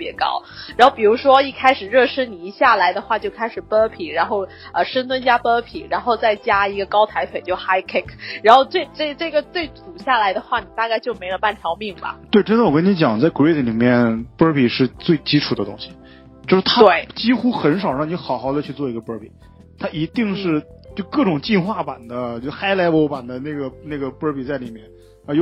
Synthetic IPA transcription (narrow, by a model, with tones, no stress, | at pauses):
pjɛ̰˧˥kɑ̰˥ʊɻa˧˥nxo˥˩ʊpi˨˩ɻu˧˥ʂwɔ˥i˥˩kʰa˥ɪʂɻ̩˨˩ɻɤ˥˩ʂɻ̩˥ni˨˩˧ɕja˥˩la˧˥ɪd̪ə˧xwa˥˧t͡ɕjo˥˩ʊkʰa˥ɪʂɻ̩˨˩pə˥pʰi˨˩˦ɻa˧˥nxo˥˩ʊ | ə˧˩ʂə˥nt̪ʰwə˥nt͡ɕja˥pə˥pʰi˨˩ɻa˧˥nxo˥˧ʊt͡sa˥˩ɪt͡ɕja˥i˧˥ɡə˧kɑ˥ʊt̪ʰa˧˥ɪt̪ʰwe˨˩ɪt͡ɕjo˥˩ʊxa˥˩ɪkʰe˥˩kʰɻa˧˥nxo˥˧ʊt͡swe˥˧ɪʈ͡ʂɤ˥˩ʈ͡ʂɤ˥˩ɡə˩t͡swe˥˩ɪt͡sʰu˨˩ɕja˥˩la˧˥ɪd̪ə˧xwa˥˩ni˨˩t̪a˥˧ka˥˧ɪt͡ɕjo˥˩ʊme˧˥ɪlə˧pa˥˩nʈ͡ʂʰɑ˧˥ʊmi˥˩ŋbɐ̰˨˩t̪we˥˩ɪʈ͡ʂə˥ndə˨wɔ˨˩kə˥ni˧˥t͡ɕjɑ˨˩ŋt͡sa˥˩ɪkɹe˥t̪ʰli˨˩mjɛ˥˧˩npə˥pʰi˨˩ʂɻ̩˥˧t͡swe˥˩ɪt͡ɕi˥ʈ͡ʂʰu˨˩d̪ə˦t̪ʊ̰˥ŋɕi̥˨ | jo˥˧ʊʂɻ̩˥t̪ʰa˥we˥˩ɪt͡ɕi˥xu˥xə˧˥nʂɑ˨˩ʊɻɑ˥˩ŋni˧˥xɑ˨˩˥ʊxɑ˥˩ʊd̪ə˧t͡ɕʰy˥˧t͡swɔ˥˩i˧˥ɡə˧pə˥pʰḭ˨˩˦ | t̪ʰa˥ʔi˧˥t̪i˥˧ŋʂɻ̩˥˧ | t͡ɕjo˥˧˩ʊkɤ˥˩ʈ͡ʂʊ˨˩ŋt͡ɕi˥˧nxwa˥˩pa˨˩nd̪ə˦t͡ɕjo˥˩xa˥ɪla˧˥ɪwo˧˥ʊpa˨˩nd̪ə˦na˥˩ɪɡə˩ne˥˩ɡə˩pə˥pʰi˨˩t͡sa˥˩ɪli˨˩mjɛ˥˩n | ə˧˥jo˥˧